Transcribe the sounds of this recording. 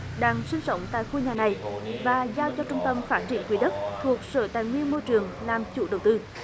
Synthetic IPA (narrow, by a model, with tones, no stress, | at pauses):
ɗaː˧ŋsï˧ŋ̟sə˧˥wŋ͡mt̪a̰ː˧˨jxu˧ɲaː˨˩na˨˩jvaː˨˩zaː˧wt͡ɕɔ˧t͡ɕʊ˧ŋ͡mt̪ə˧mfaː˦˥t̚t͡ɕḭ˧˩ənkwi˨˦ɗə˦˥t̚t̪ʰu˨˩ək̚sə̰ː˧˩t̪aː˨˩jŋwi˧ənmo˧jt͡ɕɨ˨˩əŋlaː˨˩mt͡ɕu˧˩ɗə˨˩wt̪ɨ˧